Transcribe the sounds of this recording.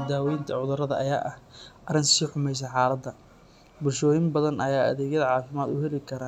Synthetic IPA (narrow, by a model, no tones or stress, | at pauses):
d̪aːwɛjnt̪ʰɐʕʊðʊɾɐðɐʔɐja̰ːʔɐhʔɐɾɪnsiːħʊmɛjs̬ɐħɑːlɐd̪ɐ | bʊlʃɔːjɪmbɐðɐnɐjaːɐ̰ðɛːɡjɐðɐʕɑːfɪmaːd̪ʊɦɛlɪkʰɐɾaː